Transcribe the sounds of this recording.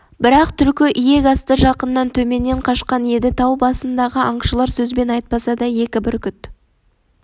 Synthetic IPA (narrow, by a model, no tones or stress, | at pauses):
bɪɾɑqt̪ʰʏlkʲɪʔije̞ɡɑst̪əʒɑqənːɑnt̪ʰɵme̞nːeɴqʰɑʃqɑnje̞d̪ɪt̪ʰɑwbɑsənd̪ɑʁəʔɑɴʃəlˠɑɾsɵzbe̞nɑjt̪̚pɑsɑd̪ɑje̞kʲɪbɪɾkʲʏt̪